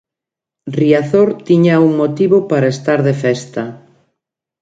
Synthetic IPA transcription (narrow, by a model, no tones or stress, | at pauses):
riaθoɾt̪iɲauŋmot̪iβopaɾaest̪aɾðefɛst̪ɐ